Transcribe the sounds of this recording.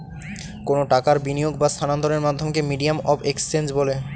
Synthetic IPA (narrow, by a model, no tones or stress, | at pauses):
konoʈakaɾbinijoɡ̚bast̪ʰanand̪oɾeɾmad̪ʱːomkemiɖiamɔbekst͡ɕend͡ʑbole